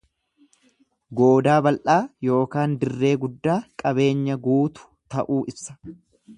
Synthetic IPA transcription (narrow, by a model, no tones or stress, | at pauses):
ɡo̞ːd̪aːbɐlʔaːjo̞ːkaːnd̪ɪrːe̞ːɡʊd̪ːaːkʼɐbe̞ːɲːɐɡuːt̪ʊ̥t̪ɐʔuːʔɪbsɐ̥